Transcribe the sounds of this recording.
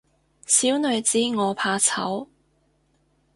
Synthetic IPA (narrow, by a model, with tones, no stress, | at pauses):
siː˨˥wnɵ˨˧ɥt͡siː˨˥ŋɔː˨˧pʰaː˧t͡sʰɐ̰˨˥w